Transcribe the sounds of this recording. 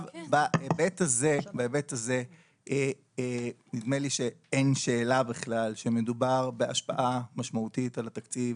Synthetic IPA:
vbaʔebetazebaebetaze | ʔe | nid̪meliʃe̞enʃe̞ːlabiχlalʃeme̞dubaʁbeaʃpa̰ʔamaʃmautitalat̪akt͡siv

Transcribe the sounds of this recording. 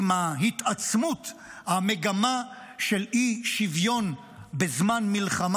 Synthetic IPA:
maɦit̪at͡smut̪hameɡama | ʃelʔiʃivjo̞n | bezmanmilχam

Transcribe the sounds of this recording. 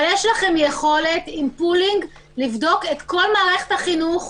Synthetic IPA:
ljeʃlaχe̞mjeχo̞le̞timpuliŋɡ | livdo̞ketko̞lmaːʁeχe̥thaχinuχ

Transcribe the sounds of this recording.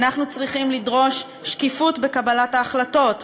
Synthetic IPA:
naχnut͡sʁiχimlidʁo̞ʃ | ʃkifutbekabalataːχlato̞t

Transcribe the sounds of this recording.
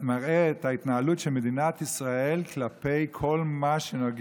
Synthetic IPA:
maʁeːt̪ait̪naalutʃelmed̪inat̪isʁaelklape̞jkʰo̞lmaʃenoɡ

